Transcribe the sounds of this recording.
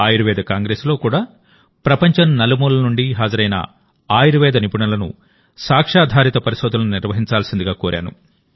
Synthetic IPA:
aːjɐɾuʋɛːd̪ɐkaːŋɡɾeːslo̞ːkuːɽaː | pɾɐpɐɲt͡ʃɐnnɐlɐmuːlɐnuɳɖiɦaːd͡ʒɐɾɐjnɐ̰ | aːjiɾuʋɛːd̪ɐnipuɳɐlɐnṵ | saːkʂaːd̪ʱaːɾit̪ɐpɐɾiʃoːd̪ulɐnuniɾʋɐɦiɲt͡ʃaːlɐsind̪iɡaːkoːɾʔa̰ːnṵ

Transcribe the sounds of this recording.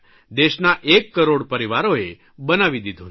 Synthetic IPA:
d̪eʃnaʔekːəɾoɽpəɾiʋaɾoe | bənaʋid̪id̪ʱõ

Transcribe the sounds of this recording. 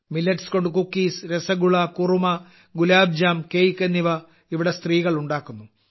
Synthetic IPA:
milːɐʈsko̞ɳɖukukːiːsɾesɐɡuɭɐkurumɐ | ɡulaːb̚d͡ʑaːmkejkːɐnːiʋɐ | iʋiɽe̞st̪riːɣɐɭuɳɖaːkːunːu

